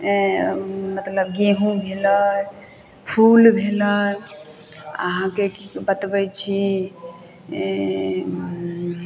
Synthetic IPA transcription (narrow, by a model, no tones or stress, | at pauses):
mət̪ləbɡeɦũbʱelə | pʰulbʱelə | ə̰ɦãkekibət̪bɛt͡ʃʰi